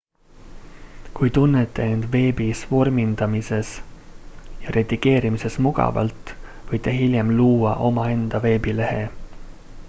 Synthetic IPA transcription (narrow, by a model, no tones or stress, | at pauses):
kujt̪unːet̪ːˑe̞end̪̥ve̞ːbisvo̞rmind̪̥ɑmise̞s | jɑɾʔed̪iɡe̞ːɾimise̞smuɡ̥ɑ̰vɑ̰lt̪ːˑvɤjt̪ːˑe̞ɦilʲjemluːwɑʔo̞mɑe̞nd̪̥ɑve̞ːbile̞he̞